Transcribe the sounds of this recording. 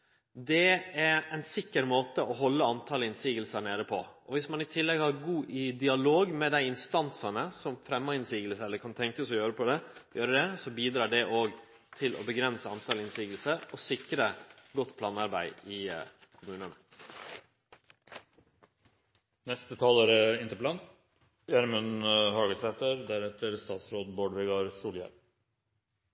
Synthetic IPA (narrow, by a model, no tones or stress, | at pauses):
d̪ɛæɾɛɪnsɪkːəɾmoːt̪əʔɔɦɔlːəɑnt̪ʰɑləɪnsiːɡəlsəɳeːɾəpʰɔʔɔʋɪsmɑnɪt̪ʰɪlːɛɡhɑɾɡuːʔɪd̪ɪɑloːɡmɛd̪æɪɪnst̪ɑnsɑnəsɔmfɾɛmːɑɪnsiːɡəlsɛlːəɾkʰɑnt̪ʰɛŋkəsɔjøːɾəpʰɔd̪ɛjøːɾəd̪ɛsɔbiːd̪ɾɑːɖɛʔoːɡ | t̪ʰɪlʔɔ̰bəɡɾɛnsəɑnt̪ʰɑːlɪnsiːɡəlsəɾɔsɪkɾəɡɔt̪ːpʰlɑːnɑɾbæɪɪkʰʊmʉːnənə | nɛst̪ət̪ʰɑːloːɾəɪnt̪əplɑn | jæɾmənhɑːɡəsɛt̪əɾd̪æɾɛt̪əɾst̪ɑːt̪sɾoːd̪boːɖʋɛɡɑɾsuːljæ̰ɾm